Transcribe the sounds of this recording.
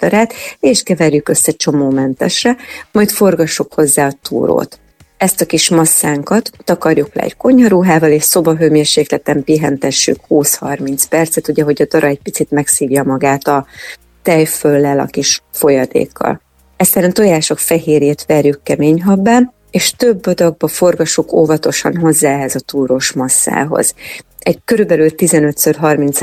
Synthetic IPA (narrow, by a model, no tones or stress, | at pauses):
d̪̥ɒɾaːt̪eːʃkɛvɛrjykø̞sːɛt͡ʃo̞moːmɛnt̪ɛʃrɛmɒjt̪fo̞rɡɒʃːukho̞zːaːɒt̪ṵːɾo̰ːt̪ | ɛst̪ɒkiʃmɒsːaːŋkɒt̪ːɒkɒrjuklɛ̰ɛ̰cko̞ɲɒɾuːɦaːvɒleːʃso̞bɒɦøːmeːrʃeːklɛt̪ɛmpiɦɛnt̪ɛʃːy̰khuːshɒrmint̪spɛrt̪sɛt̪uɟɛɦo̞ɟɒd̪ɒɾɒɛc̚pit̪sit̪mɛksiːvjɒmɒɡaːt̪ɒ | t̪ɛjfølːɛlɒ̰kiʃfo̞jɒd̪ḛːkːɒ̰l | ɛst̪ɛɾɛnt̪o̞jaːʃo̞kfɛɦeːɾeːt̪ʋɛrjykːɛmeːɲɦɒbːaːn | eːʃt̪ø̞bːo̞d̪ɒɡ̚bɒfo̞rɡɒʃːukoːvɒt̪o̞ʃɒ̰nɦo̞zːaːɛɦɛzɒt̪uːɾo̞ʃmɒsːa̰ːɦo̞̰z̥ | ɛɟkø̞ɾybɛlylt̪izɛnø̞t̪sørɦɒrmint̪s